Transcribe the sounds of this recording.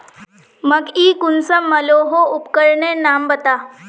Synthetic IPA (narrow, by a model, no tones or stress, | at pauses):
məɡiːkunsəmːəloɦoupkəɾɳenambət̪a